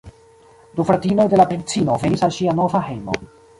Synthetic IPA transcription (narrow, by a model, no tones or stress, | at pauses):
dufɾatino̞jde̞lapɾedit͡sino̞ve̞nisalʃiano̞vahe̞jmo̞̰